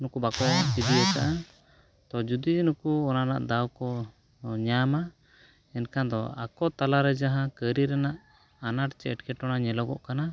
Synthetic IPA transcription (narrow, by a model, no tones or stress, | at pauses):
nukubakɔt͡ʃid̪iaka̰ʔa | t̪ɔd͡ʒud̪id͡ʒnukuɔnana̰ʔd̪awkɔ | ɲama | ɛnkʰad̪ɔakɔt̪alaɾɛd͡ʒaɦãkəɾiɾɛnaʔ | anaʈt͡ʃɛɛʈkɛʈɔnaɲɛlɔɡɔʔkana